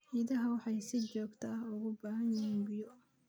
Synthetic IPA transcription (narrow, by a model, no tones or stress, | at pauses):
ħiːðɐɦɐwɑħɑjsɪt͡ʃɔːɡt̪ʰaːɦʊɣʊbaːɦɐjɪhiːnɡʊjɔ